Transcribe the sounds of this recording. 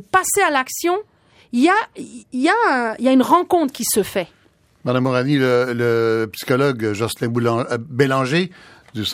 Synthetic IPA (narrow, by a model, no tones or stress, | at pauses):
pasealaksjɔ̃ | iljailjaɛ̃iljaynʁɑ̃kɔ̃t̪χəkʲisəfɛ | mad̪amːɔʁanilələpsi̥kɔlɔɡʒɔslɛ̃bulɑ̃belɑ̃ʒed̪ys